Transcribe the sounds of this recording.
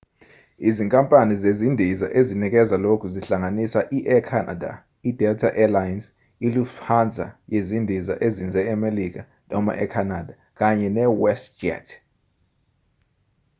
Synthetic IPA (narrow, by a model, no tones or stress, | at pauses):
iziŋkʼampʼanizezindʱiza̰ʔezinik̬ɛzalokʰuziɬaŋanisaʔiʔɛkʰana̰da̰ | idʱɛtʰaʔɛlajins | ilufʰand͡zʱa̰jezindʱiza̰ʔezind͡zʱɛɛmelik̬a | nɔma̰ʔɛkʰanadʱa | k̬ʼaɲɛnɛwɛstd͡ʒɛ̰tʰ